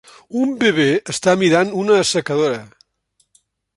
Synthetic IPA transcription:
umbeβ̞eəst̪amiɾanunəːsəkəðoɾə

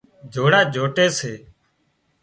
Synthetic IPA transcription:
d͡ʒʱoːɽaːd͡ʒʱoːʈeːseː

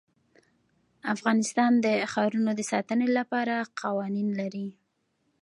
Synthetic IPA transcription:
afɣɑnɪst̪ɑnd̪əxɑɾunod̪əsɑt̪ənelapɑɾaqʰɑwɑninlaɾi

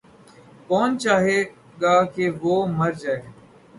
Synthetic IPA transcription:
koːnt͡ʃaːɦe | ɠaːkeːʋoːməɾd͡ʒaːeː

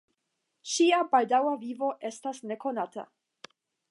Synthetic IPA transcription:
ʃiabaldawavivo̞ʔe̞stasne̞ko̞nata̰

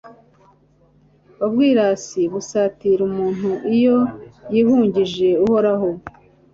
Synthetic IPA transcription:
βabɡiːɾaːsiβusaːtiɾumuːn̥huʔijo̞jiːhuːɲɟiʒe̞uho̞ɾaɦo

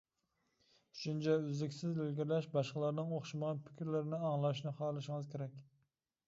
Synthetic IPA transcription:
ʃynt͡ʃʰɛyzɪkʲsɪzelɡʲiɾlɛʃbɑʃqəlˠɑɾnɨŋoχʃɑməʁɑnpʰɪ̥kʲʰɾlɪɾɪnɪɑŋlˠɑʃnɪχɑːlˠɨʃɪŋɨzkʲʰeɾɛkʲ

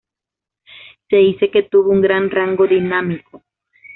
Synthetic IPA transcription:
seiseket̪uβuŋɡɾanraŋɡod̪inamiko

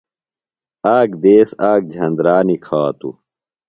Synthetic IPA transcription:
aːkd̪eːsaːk̚d͡ʑʱɐnd̪ɾaːnikʰaːt̪ṵ

